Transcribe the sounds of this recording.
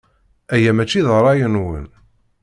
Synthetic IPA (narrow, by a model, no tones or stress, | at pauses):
æjæmæt͡ʃːiðəɾˤɑjənwə̰n